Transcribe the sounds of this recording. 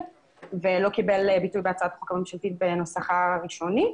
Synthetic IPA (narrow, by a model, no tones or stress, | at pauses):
velo̞kibelbitujbeat͡saat̪χukamemʃalt̪it̪̚beno̞saχaʁiʃo̞nit